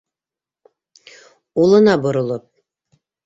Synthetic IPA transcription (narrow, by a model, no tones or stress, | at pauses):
ulˠɤ̆nɑbŏɾŏlˠɤp̚